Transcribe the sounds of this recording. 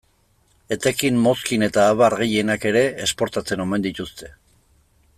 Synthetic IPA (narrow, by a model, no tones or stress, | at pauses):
et̪ekimmo̞skine̞t̪aːβaɾɣeje̞nake̞ɾe̞ːspo̞ɾt̪at͡se̞no̞me̞nd̪it̪ust̪e̞